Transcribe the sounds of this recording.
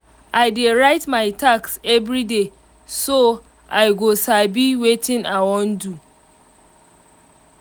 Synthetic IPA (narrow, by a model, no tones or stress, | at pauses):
ajdeɹaɪtmaɪtʰaksɛvɾide | so | ajɡosabiwetʰĩnawɔ̃ndu